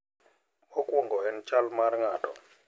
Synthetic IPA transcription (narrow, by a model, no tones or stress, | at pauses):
ɔkʼwɔŋɡɔhɛnt͡ʃalmaɾŋaːtʼɔ